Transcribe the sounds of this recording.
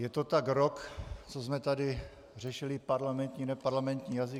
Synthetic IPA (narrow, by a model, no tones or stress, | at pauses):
jɛt̪ot̪akɾokt͡sozmɛt̪adɪ | r̝ɛʃɪlɪpaɾlamɛnt̪ɲiːnɛpaɾlamɛnt̪ɲiːjazɪ